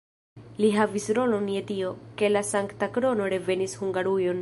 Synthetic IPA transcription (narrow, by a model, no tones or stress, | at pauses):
liɦavisɾo̞lo̞nje̞tio̞ke̞lasaŋktakɾo̞no̞ɾe̞ve̞nishuŋɡaɾujo̞n